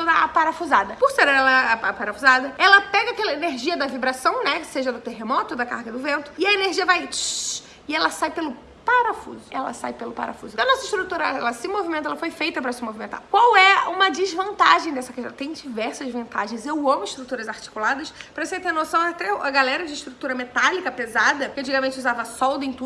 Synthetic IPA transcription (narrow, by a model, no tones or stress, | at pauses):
od̪ɐa̰paɾɐfuzad̪ɐpoɾseɾɛɛlɐɐapaɾɐfuzad̪ɐɛlɐpɛɡɐakɛlɐeneɾʒiɐd̪ɐvibɾasɐ̃w̃nɛseʒɐd̪ʊt̪eɦemɔt̪ʊd̪ɐka̰hɡɐd̪ʊvẽnt̪ʊ̥ɪɐeneɾʒiɐvaj | ɪɛlɐsajpelʊ | paɾafṵzʊɛlɐ̰sa̰jpelʊpa̰ɾa̰fṵzʊ̃ɐnɔsɐɪʃt̪ɾut̪uɾɐɛlɐsɪmovimẽnɐɛlɐfojfejt̪ɐpɾɐsɪmovimẽnt̪a̰ɾkwawɛũmɐd͡ʒɪzvɐ̃nt̪a̰ʒẽj̃d̪ɛsɐkɐʒɛ̰ɾɐt̪ẽj̃d͡ʒivɛɾsɐzvɐ̃nt̪aʒẽj̃zewɐ̃mʊɪʃt̪ɾut̪uɾɐzaɾt͡ʃi̥kulad̪ɐspɾɐisẽt̪ẽnosɐ̃w̃ɐt̪ɛɐɡalɛɾɐd͡ʒɪɪʃt̪ɾut̪uɾɐmet̪alikɐpezad̪ɐkɪɐ̃nt͡ʃiɡɐamẽnt͡ʃɪuzavɐsɔwd̪ʊẽj̃t̪u